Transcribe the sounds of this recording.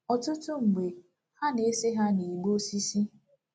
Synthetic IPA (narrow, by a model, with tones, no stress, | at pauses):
ɔ˨tʊ˦tʊ˦ŋ͡m̩˨ɡ͡be˨ | ha˦ne˨˦se˦ɦa˦ni˨ɡ͡bo˦si˦si˦